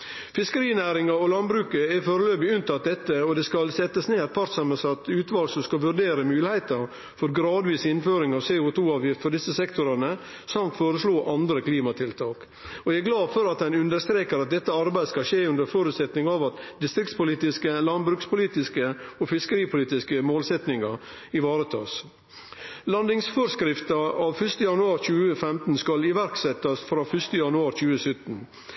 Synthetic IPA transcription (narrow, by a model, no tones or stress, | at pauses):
fɪskəɾiːnæːɾɪŋɑɔlɑnbɾʉːkəɛfoːɾəløːbɪʉnt̪ɑd̪ɛt̪ːəɔd̪ɛskɑlsɛt̪ːəsneːd̪pʰɑɾt̪sɑməsɑt̪ʉːt̪ʋɑːlsɔskɑʋʉɾd̪eːɾəmʉːlɪhæɪt̪əɾ | fɔɾɡɾɑːd̪ʋiːsɪnføːɾɪŋɑʋseːʊt̪ʰuːɑːʋjɪft̪fɔɖ̪ɪsəsɛkt̪ʊɾɑnə | sɑmt̪foːɾəsloːʔɑnd̪ɾəkliːmɑt̪ʰɪlt̪ʰɑːk | ɔææɡlɑːfɔɾɑt̪ɛɪnʉnd̪əɾst̪ɾeːkəɾɑt̪̚d̪ɛt̪ːəɑɾbæɪskɑʃeːʉnd̪əɾfoːɾʉt̪sɛt̪nɪŋɑʋɑt̪d̪ɪst̪ɾɪkt̪spʊliːt̪ɪskəlɑnbɾʉːkspʊliːt̪ɪskəɔfɪskəɾiːpʰʊliːt̪ɪskəmoːlsɛt̪nɪŋɑ | ɪʋɑːɾət̪ʰɑ̰ːs | lɑnd̪ɪŋsfɔɾskɾɪft̪ɑɑʋfʉʂt̪əjɑnʉɑːɾçʉːəfɛmt̪n̩skɑlɪʋæɾksɛt̪ːɑsfɾɑːfœʂt̪əjɑnʉɑːɾt͡ʃʉːəsœt̪n̩